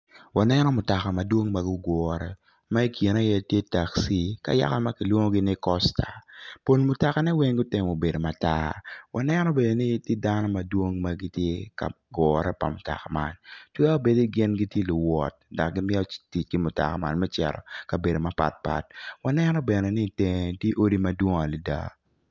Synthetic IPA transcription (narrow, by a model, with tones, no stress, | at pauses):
wa˨nɛ˦nɔ˦mʊ˨ta˨ka˨ma˨dwo˦ŋma˦ɡʊ˦ɡwɔ˦ɾɛ˦ | ma˦i˦kʰi˨na˦jɛ˦tje˦ta˨ksi˦ka̰˦ja̰˦ka˦ma˦ki˨lwo˦ŋo˦ɡɪ˦ni˦kɔ˦sta˨po˨nmʊ˨ta˨ka˨nɛ˦wɛ˦ŋɡʊ˦tɪ˨ŋo˨be˨do˨ma˨ta̰˦wʔa˨nɛ˦nɔ˦be˨de˨nɪ˦tje˦da˦nɔ˦ma˨dwo˦ŋma˦ɡi˦tje˦ka̰˨ | ɡɔ˨ɾɛ˦pa̰˨mʊ˨ta̰˨ka˨ma̰˦nt͡ʃwɛ˦o˦be˨di˦ɡɪ˦nɡi˦tje˦lʊ˨wɔ˨t̚da˨k̚ɡɪ˦m˦ɔ˦ti˨t͡ʃɡi˦mʊ˨ta̰˨ka˨ma̰˦nmɛ˦t͡ʃɛ̰˨ɾɔ̰˨ka˨be˨do˨ma˨pa̰˦t̚pa̰˨t̚wa˨nɛ˦nɔ˦bɛ˨nɛ˨nɪ˦˨tetje˦ʔo˦di˦ma˦dwo˦ŋa˨li˨da̰˦